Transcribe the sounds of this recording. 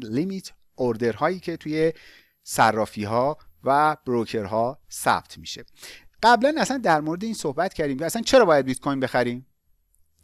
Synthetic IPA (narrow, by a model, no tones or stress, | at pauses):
limit̪ʰ | ʔoɾd̪e̞ɾhɒːjiːcʰe̞t̪ʰuje | særːɒːfiːɦɒːvæb̥ɾocʰe̞ɾɦɒːsæ̰b̚t̪ʰmiʃe̞̰ɢ̥æblænæsænd̪æɾmoɾed̪e̞iːnsohbæt̪cʰæɾd̪iːmcʰeæsænt͡ʃʰe̞ɾɒːbɒːjæd̪̚bit̪kʰojnbe̞xæɾiːm